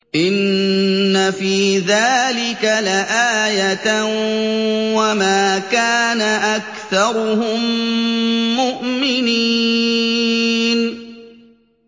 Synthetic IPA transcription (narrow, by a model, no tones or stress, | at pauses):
ʔɪnː | afiːðaːlɪkalaʔaːjat̪ | wamaːkaːnaʔakθɑɾˤʊhʊmː | ʊʔmɪniː | n